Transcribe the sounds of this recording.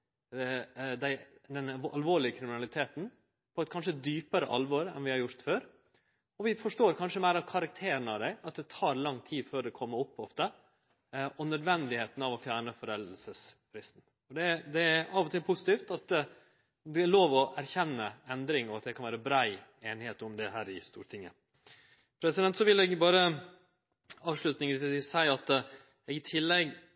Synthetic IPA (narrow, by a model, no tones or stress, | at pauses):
d̪æɪd̪ɛnʔɑlʋoːɭɪəkʰɾɪmɪnɑlɪt̪ʰeːt̪n̩ | pʰɔɛt̪̚kʰɑnʂ̬əd̪yːpəɾə̰ʔɑ̰lʋɔɾɛ̰nʋɪhɑɾjʊɾt̪føːɾ | ɔʋɪfɔʂʈoːɾkʰɑnʂəmæɪɾɑʋkʰɑɾɑk̚t̪ʰeːɾəɳəɑʋd̪æɪɑt̪d̪ɛt̪ʰɑːɾlɑŋt̪ʰiːd̪føːɾd̪ɛkʰɔmːəʊpːɔft̪ə | ɔnœd̪ʋɛnd̪ɪheːt̪n̩ɑʋɔfjæːɳəfɔɾɛləlsəsfɾɪst̪n̩ | ɔd̪ɛd̪ɛæɑʋɔt̪ɪlpʰʊsɪ̥t̪iːft̪ɑt̪ | d̪ɛloːʋɔʔæɾçɛnːəɛnd̪ɾɪŋɔɑt̪d̪ɛkʰɑnʋæːɾəbɾæɪeːnheːt̪ʊmd̪ɛɦæːɾɪst̪ṵːɾʈ̪ʰɪŋːə̰ | pʰɾɛsɪd̪ɛnt̪sɔʋɪlɛɡbɑːɾə | ɑːʋʂlʉt̪nɪŋsæɪɑt̪ | ɛɡɪt̪ʰɪlːɛɡ